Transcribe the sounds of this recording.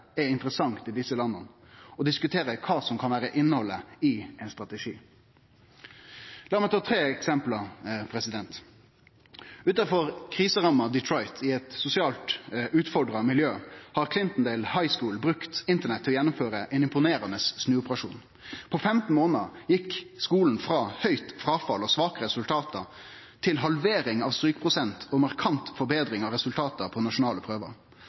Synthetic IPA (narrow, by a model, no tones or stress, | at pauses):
ɛɪnt̪əɾəsɑŋt̪ɪd̪ɪsːəlɑnːən | ɔd̪ɪskʉt̪ʰeːɾəkʰɑːsɔmkʰɑnʋæːɾəʔɪnːəhɔlːəɪɛɪnst̪ʁɑt̪əʂiː | lɑːɾmɛt̪ʰɑːt̪ʰɾeːɛksɛmplɑpʰɾɛsɪd̪ɛnt̪ | ʉːt̪ɑfɔʁkʰʁiːsəʁɑmɑd̪ɪt̪ʰɾɔɪt̪ʰɪɛt̪sʊsɪɑːlt̪ʉːt̪fɔɖʁɑmɪljøːhɑʁkʰlɪnt̪n̩d̪elhɑɪskuːlbʁʉkt̪ɪnt̪əɳɛt̪ʰːɪlɔjɛnːʊmføːʁəʔɛnɪmpʊneːɾɑnəsːnʉːʊpəʁɑʂṵːn | pʰɔfɛmt̪n̩moːnəjɪkːskuːln̩fʁɑːhœʏt̪fɾɑːfɑ̰lɔsʋɑːkəʁɛsʉlt̪ʰɑːt̪ə | t̪ʰɪlɦɑlʋeːɾɪŋɑʋst̪ɾyːkəpʰʁʊsɛnt̪ʰɔmɑʁkʰɑnt̪fɔɾbeːd̪ʁɪŋɑʋɾɛsʉlt̪ʰɑːt̪əpʰɔnɑʂʊnɑːləpʰʁøːʋə̰ʁ